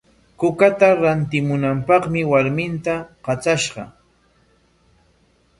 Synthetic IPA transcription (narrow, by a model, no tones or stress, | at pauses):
kʊkat̪aɾant̪ɪmʊnampɑχmɪwaɾmɪnt̪aqɑt͡saʃɢɑ̰